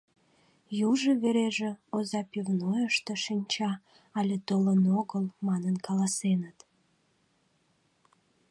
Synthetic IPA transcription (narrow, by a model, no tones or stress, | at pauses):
juʒeβeɾeʒĕozɑpivnojəʃt̪eʃinʲt͡ɕɑ | ɑlʲet̪olənoɣəlmɑnənkɑlɑsenət̪